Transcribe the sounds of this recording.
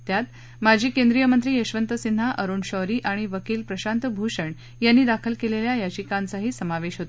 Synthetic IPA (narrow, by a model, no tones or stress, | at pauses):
t̪jat̪ | mad͡ʑʱiːkẽnd̪ɾijəmənt̪ɾiːəɕʋənt̪əsin̤ːaʔəɾuːɳɕɔɾiːʔaɽ̃iʋəkiːlpɾəɕant̪əbʱuɕəɳ | janːiːd̪akʰəlkeleljajad͡ʑikant͡saɦiːsəmaʋeɕɦot̪e